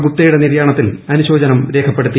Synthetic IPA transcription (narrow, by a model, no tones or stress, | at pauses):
ɡut̪ːɐjuɽe̞niɾjaːɳɐt̪ːilɐnuɕo̞ːd͡ʑɐnɐmɾe̞ːkʰɐpːeɽut̪ːi